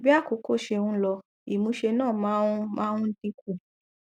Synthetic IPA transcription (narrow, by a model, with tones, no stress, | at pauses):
bi˦a˦˨ko˨˦ko˦˨ʃe˧wũ˦lɔ˧ | i˨mũ˧˦ʃe˧nãː˦˨mã˦mã˦ũ˦n̩˦tĩ˧ku˦˨